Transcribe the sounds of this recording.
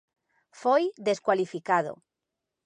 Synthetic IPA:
fojðeskwalifikað̞o̰

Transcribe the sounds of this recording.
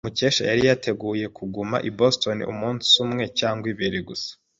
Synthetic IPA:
umuce̞ːʃa̰jaɾijatʰe̞ɡuːje̞kuɡuma̰ʔibosto̞nḭʔṵmuːnsumŋe̞caːŋɡwiβiɾiɡusḁ

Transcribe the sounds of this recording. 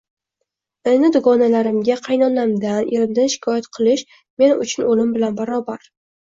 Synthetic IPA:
enɪd̪ʊɡɒnalaɾɪmɡʲaqʰɑjnɒnlamd̪anʔeɾɪmd̪anʃɪ̥kʰɒjat̪qʰɨlˠɪʃ | me̞nʊt͡ʃʰʊnolɪmbɪlanbaɾɒbaɾ

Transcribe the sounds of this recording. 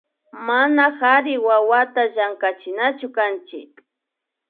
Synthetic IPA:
manaxaɾɪwawat̪aʒaŋkat͡ʃɪnat͡ʃʊkant͡ʃɪ̰k̚

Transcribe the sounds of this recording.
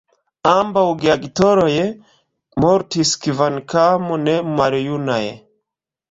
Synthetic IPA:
ambauɡiaɡitɔɾɔjɛ | mɔɾtiskivankamɔnɛmaɾɔjunajɛ̰

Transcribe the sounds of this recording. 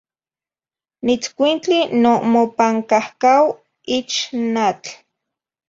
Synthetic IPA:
nit͡skʷint͡ɬinomopaŋkahkaw | it͡ʃnat͡ɬ

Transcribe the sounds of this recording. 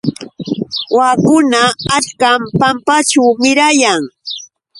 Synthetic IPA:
waːkʊnaːt͡ʃkampampat͡ʃawmɪɾajaŋ

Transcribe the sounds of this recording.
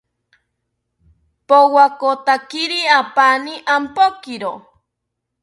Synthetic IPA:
powakot̪akiɾiapaniʔampokiɾo

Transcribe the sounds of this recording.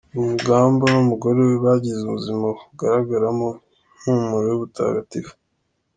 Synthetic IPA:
umuɡaːmbanumuɡo̞ɾeweβaɟizumuzimauɡaɾaɡaɾamo | n̥umuɾojuβutʰa̰ːɡatiɾḁ

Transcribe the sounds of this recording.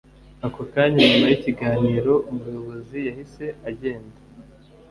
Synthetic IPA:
akokaːɲamajiciɡaːniːɾo̞umujo̞βo̞zijahise̞aɟe̞ːnda

